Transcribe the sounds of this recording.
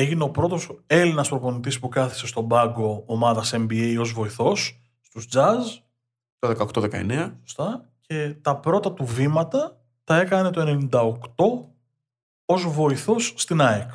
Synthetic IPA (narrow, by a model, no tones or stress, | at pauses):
e̞ʝine̞o̞pɾo̞t̪o̞se̞linɐspɾo̞po̞nit̪ispukɐθi̥se̞st̪o̞bɐɡo̞ːmɐðɐse̞mbiejo̞zvo̞iθo̞sː | st̪uzd͡zɐz | t̪oðekɐokt̪o̞ðekɐe̞̰neɐso̥st̪ɐ | ce̞t̪ɐpɾo̞t̪ɐt̪uvimɐt̪ɐ | t̪ɐe̞kɐnne̞t̪o̞e̞ne̞nind̪ɐokt̪o̞ | o̞zvo̞iθo̞sːt̪inɐek